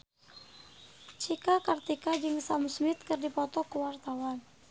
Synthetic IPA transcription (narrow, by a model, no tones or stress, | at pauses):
t͡ʃikakart̪ikad͡ʒɨŋsamsmɪt̪̚kɨrdipɔt̪ɔkuwart̪awan